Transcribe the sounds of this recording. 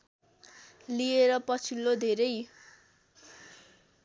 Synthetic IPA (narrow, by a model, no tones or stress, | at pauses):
lieɾʌpʌt͡sʰilːod̪ʱeɾʌj